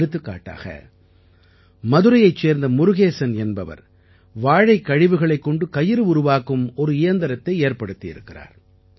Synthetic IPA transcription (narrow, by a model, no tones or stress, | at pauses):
ɾɯt̪ːɯkːa̰ːʈːa̰ːɣɐ̰ | mɐðɯɾɐjɐɪt͡ʃːeːɾnd̪ɐmʊɾɯɣeːsɐnɛnbɐʋɐ̰ɾ | ʋaːɻɐɪkːɐɻɪʋɯɣɐɭɐɪkːɔɳɖɯkɐjɪɾɯʊɾʊʋaːkɯmɔɾɯɪjɐnd̪ɐɾɐt̪ːɐɪeːɾpɐɽɯt̪ːɪjɪ̰ɾɯ̰kːɪra̰ːɾ